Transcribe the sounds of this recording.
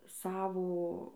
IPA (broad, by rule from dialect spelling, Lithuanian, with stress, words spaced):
ˈsɑːʋoː